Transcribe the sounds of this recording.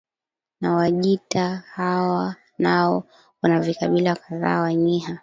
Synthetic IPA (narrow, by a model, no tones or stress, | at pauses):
nawaʄitahawa | naɔ | wanavikaɓilakaða̰ːwaɲiɦa